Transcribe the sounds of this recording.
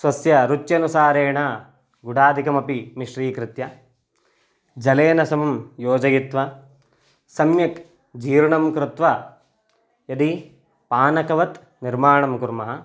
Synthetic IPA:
sʋɐsjɐɾut͡ʃjɐnusaːɾeːɳɐ | ɡuɽaːd̪ʱikɐmɐpimiʂɾiːkɾɪt̪jɐ | d͡ʒɐleːnɐsɐmɐmjoːd͡ʒɐɡit̪ʋɐ | sɐmjɐk | d͡ʒiːɾuɳɐmkɾɪt̪ʋɐ | jɐd̪i | paːnɐkɐʋɐt̪ | niɾmaːɳɐmkuɾmɐɦɐ

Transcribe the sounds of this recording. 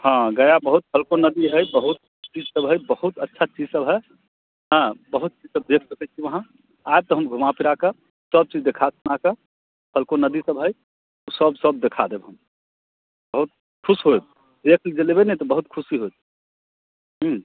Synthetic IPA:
hãɡəjabəɦut̪̚pʰəlkonəd̪iɦəjbəɦut̪̚ | t͡ʃid͡ʒsəbɦəjbəhut̪ətːʃʰat͡ʃid͡ʒsəbɦɛ | ɦãbəɦut̪̚t͡ʃid͡ʒsəb̚d̪ekʰsəkɛt͡ʃʰiʋəɦã | ajb̚t̪ɔɦəmɡʱumapiɾake | səb̚t͡ʃid͡ʒd̪ekʰasunake | pʰəlkonəd̪isəbɦəj | usəbsəb̚d̪ekʰad̪ebɦəm | bəɦut̪̚ | kʰusɦo | d̪ekʰld͡ʒelebenɛt̪ɔbəɦut̪kʰusiɦojt̪ | ɦ̩

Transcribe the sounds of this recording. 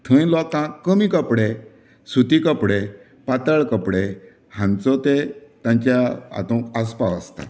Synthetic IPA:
t̪ʰə̃j̃lɔkãkːəmikəpɽe | sut̪ikəpɽe | pat̪əɭkəpɽe | hãnt͡sɔt̪et̪ãɲt͡ɕjaa̰t̪ɔ̃kəspaə̰st̪a̰

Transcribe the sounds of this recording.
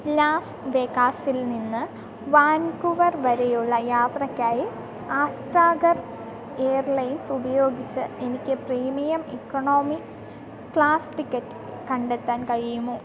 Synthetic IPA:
laːs | ʋekaːsilninːɨ | ʋaːnkuʋɐrʋɐɾejuɭːɐjaːt̪rɐkʲːaːji | aːsʈraːɡɐr | eːɐrlɐjnsubɐjo̞ːɡit͡ɕːɨe̞nikʲːɨpriːmɐjɐmekːoɳo̞ːmi | kɭaːsʈikʲːɐtː | kɐɳɖe̞t̪ːaːnkɐɻijumoː

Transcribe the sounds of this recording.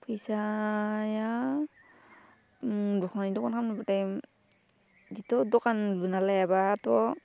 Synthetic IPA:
pʰɯjsaja | dɔkʰnanidɔkʰankʰamnɔbataj | ditɔdɔkanlunalajabaːtɔ

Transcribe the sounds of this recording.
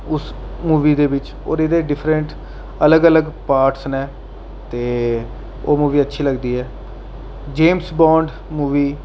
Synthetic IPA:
ʊs | muːʋiːd̪eːbɪt͡ʃ | o̰ːɾɪd̪eːɖɪpʰɾə̃ɳʈ | ələɡələɡpaːɾʈsnɛː | t̪eː | oːmuːʋiːətːʃʰiːləɡd̪iːɦɛː | d͡ʒeːmsbɔ̃ːɳɖ | muːʋiː

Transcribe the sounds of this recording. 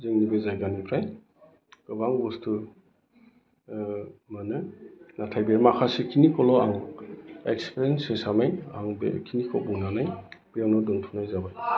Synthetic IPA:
zɯŋnibezajɡanipʰɾaj | ɡ̥ɯbaŋbustʰu | manɯnatʰajbeɾmakʰasekʰinikɔlɔaŋ | ekspeɾensesamajaŋbḛkʰinikʰɔbuŋnanajb̥eanɔdɔŋtʰunajzabaj

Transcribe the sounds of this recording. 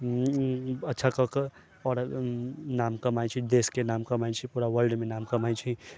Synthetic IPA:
ɐtːʃʰakək | ɔːɾ | naːmkəmajt͡ʃʰid̪eːskenaːmkɐmajt͡ʃʰipuːɾaʋəɾɖmẽnaːmkɐmajt͡ʃʰi

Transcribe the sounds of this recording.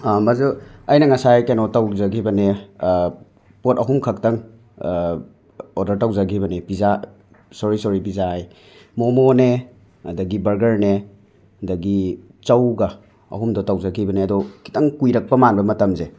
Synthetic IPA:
mɐzuɐjnɐŋɐsajkenotawzɐɡʰibɐne | potɐɦumkʰɐk̚tɐŋ | odɐɾtawzɐɡʰibɐnepiza | soɾisoɾipizaaj | momone | ɐdɐɡibɐɾɡɐɾne | dɐɡi | t͡ʃɐwɡɐ | ɐ̰ɦumdɔtawzɐkʰibɐneɐdɔki̥tɐŋkujɾɐk̚pɐmanbɐmɐtɐmze

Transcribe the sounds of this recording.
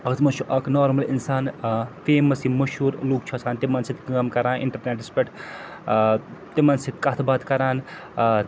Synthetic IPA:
ɐkt̪mɐt͡ʃʰuʔɐknoːɾmɐlinsaːnfeːmɐsimɐʃuːɾluːk̚t͡ʃʰɐsʰaːnt̪imɐnsit̪ʰkɐmkɐɾaːnʔḭɳʈɐɾneʈ̚ɖispɐʈ | t̪imɐnsit̪̚ʰkɐt̪ʰbaːt̪kɐɾaːn

